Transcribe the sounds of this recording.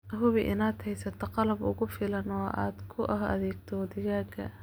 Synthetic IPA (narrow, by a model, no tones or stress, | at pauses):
ʔɦʊβɪʔɪ̰naːd̪hɛjsɐt̪ʰɐqɑlɐbʊ̰ɣʊfɪlɐnɔʔa̰ːd̪kʰʊʔɐɦʔɐ̰ðɛːɡ̚t̪ʰɔwd̪ɪɣaːɡʰɐ̰